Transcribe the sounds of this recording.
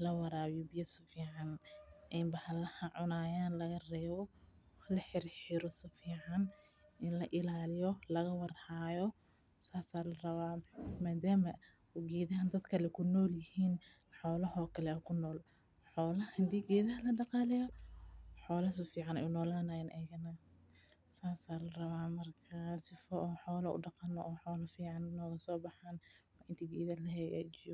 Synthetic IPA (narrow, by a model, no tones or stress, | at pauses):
lɐwɑɾaːβjɔbɪjɐsʊfiːʕɑnʔɛmbɐħlɐhɐʕʊnaːjaːnlɐɣɐrɛːβɔlɐħɪrħɪɾɔsʊfiːʕɑn | ɪnlɐʔɪlaːlɪjɔlɐɣɐwɑrhaːjɔ | saːsaːlɐrɐβaːmaːd̪aːmɐ | uɡɛːðɐɦɐnd̪ɐd̪kʰɐlɛkʰʊnɔːljɪhiːn | ħɔːlɐɦɔːkʰɐlɛkʰʊnɔːl | ħɔːlɐhɐd̪iːɡɛːðɐɦɐlɐɖɑqɑːlɛjɔ | ħɔːlɐsʊfiːʕɑnɛ̰ʊnɔːlaːnajɐnʔɛjɣɐnɐ | saːsaːlɐrɐβaːmɐrkʰasɪfɔʔɔːħɔːlɐʊ̰ɖɑqɑnɔ̰ʔɔːħɔːlɐfiːʕɑnnɔːɣɐsɔːbɑħaːnwɐʔɪnt̪ʰiɡɛːðɐlɐɦɛja̰ːd͡ʒɪjɔ